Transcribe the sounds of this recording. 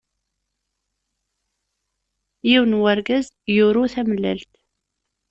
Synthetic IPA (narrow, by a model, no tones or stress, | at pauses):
jiwnwəɾɡəz | juɾuθæməlːə̰lt̪